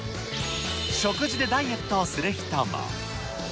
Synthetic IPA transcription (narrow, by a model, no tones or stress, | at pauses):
ɕokɯd͡ʑid̪ed̪ajet̪ːaːsɨɾeçi̥t̪ama̰